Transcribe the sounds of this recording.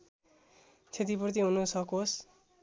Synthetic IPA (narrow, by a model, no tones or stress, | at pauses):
t͡sʰet̪̬ipurt̪̬iɦunusʌkos